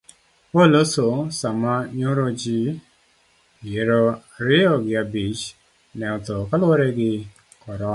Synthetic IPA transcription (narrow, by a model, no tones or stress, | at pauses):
olososamaɲoɾod͡ʒi | jeɾoɾiɔɡjabid͡ʒ | nɛɔtɔkaloweɾeɡɪ | kɔɾɔ